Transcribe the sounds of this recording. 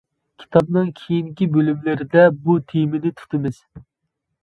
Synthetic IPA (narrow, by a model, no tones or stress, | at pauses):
kʲʰi̥t̪ʰɑbnɨŋkʲʰejiŋkʲibølymlɪɾɪd̪ɛbut̪ʰejmɪnɪt̪ʰu̥t̪ʰɨmɪz̥